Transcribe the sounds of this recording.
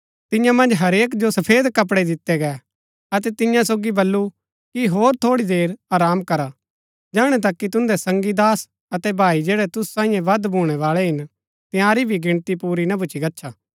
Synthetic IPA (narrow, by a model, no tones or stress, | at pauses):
t̪ɪjãmɐ̃nd͡ʒɦɐɾeːkd͡ʒosɐpʰeːd̪kɐp̬ɽɛd̪ɪt̪ːɛɡɛ | ɐt̪ɛt̪ɪjãsoːɡibɐlːu | kiɦoːɾt̪ʰoːɽid̪eːɾaːɾaːmkɐɾa | d͡ʒaːɽ̃ɛt̪̬ɐkːit̪̬ʊ̃nd̪ɛsɐ̃ŋɡid̪aːs | ɐt̪ɛbʱaːid͡ʒeːɽɛt̪ʊssãːĩjẽʋɐd̪bʱuːɽ̃ɛʋaːɭɛɦɪn | t̪ɪ̃jaːɾibʱiɡɪɽ̃t̪ipuːɾinɐbʱʊt͡ʃʰiɡɐtːʃʰaː